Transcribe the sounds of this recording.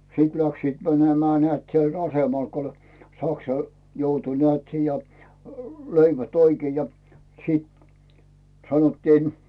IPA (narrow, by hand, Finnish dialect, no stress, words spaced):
sit læksiːt mænemĕæˑ nĕæˑt siel ɑsemɑl ko olʲ sɑksɑ joutu nĕæˑt siːjɑ løiʋæt oikĭe jɑ siːt sɑnotːiːn